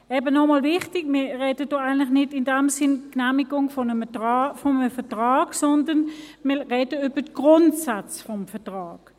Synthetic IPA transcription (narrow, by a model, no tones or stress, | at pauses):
ɛːbənɔmɑlvɪχtɪɡmɪʁɛːdədoaɪɡənlɪχnɪdɪndɛmsɪnknæmiɡʊŋfɔnəfɔnəfɛɐtʁaːɡsɔndɐnmɪɐʁɛːdəyb̥ətɡ̥ʁʊntsat͡sfɔmfɛtʁaːɡ